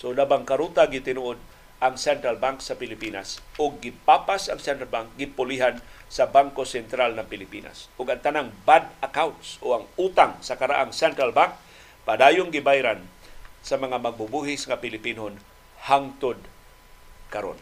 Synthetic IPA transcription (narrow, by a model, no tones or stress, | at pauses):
sodabaŋkaɾut̪aɡɪt̪ɪnuʔod̪̚ | ʔaŋsɛnt̪ɾalbaŋksapɪlɪpina̰sʊɡ̚ːɪpapasaŋsɛnt̪ɾalbaŋk̚ɡɪpʊliɦan | sabaŋkosɛnt̪ɾalnaŋpɪlɪpina̰sʊɡaŋt̪anaŋbad̪akawnt̪sʔoaŋut̪aŋsakaɾa̰ʔaŋsɛnt̪ɾalbaŋk̚ | pad̪aːjʊnɡɪbajɾan | samaŋamaɡ̚bʊbuɦɪsŋapɪlɪpinɦon | haŋt̪ʊd̪̚ | kaɾo̰n